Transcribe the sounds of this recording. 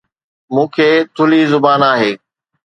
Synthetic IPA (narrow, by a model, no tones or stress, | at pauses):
mũːkʰeːt̪ʰʊliːzʊbaːnaːɦeː